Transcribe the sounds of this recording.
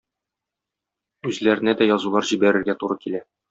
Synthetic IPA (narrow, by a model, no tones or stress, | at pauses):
ʉzlæɾɘ̆næd̪æjɒzulˠɑɾʑibæɾɘ̆ɾɡæt̪uɾɤkilæ